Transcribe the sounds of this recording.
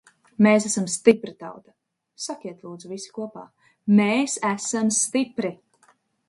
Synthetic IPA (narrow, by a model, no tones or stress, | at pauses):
meːsæsamst̪ipɾit̪a̰wt̪ḁ | sakʲiɛt̪lˠuːd̪zuvisi̥kuɔpa̰ː | meːsæsamst̪ipɾi